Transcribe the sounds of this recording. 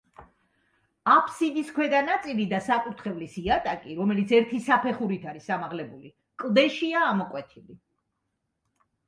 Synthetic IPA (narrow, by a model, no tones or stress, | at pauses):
apʰsid̪iskʰwɛd̪anat̪sʼilid̪asakʼut̪ʰχɛvlisiat̪ʼakʼiɾɔmɛlit̪sʰɛɾt̪ʰisapʰɛχuɾit̪ʰaɾisamaʁlɛbuli | kʼlˠd̪ɛʃiaːmɔkʼwɛt̪ʰili